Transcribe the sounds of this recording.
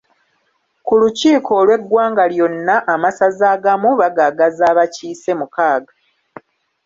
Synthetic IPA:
kuluciːkʰo̞ːlwe̞ɡːwaːŋɡaljo̞nːaʔamasazaːɡamuβaɡaɡazaːβaciːse̞mukaːɡa

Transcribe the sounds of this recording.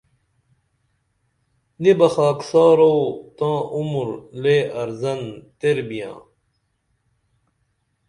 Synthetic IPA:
d̪ibɐxaːksaːɾoːt̪ãːʔumɾleːɐɾzɐnt̪eɾbijã̰ː

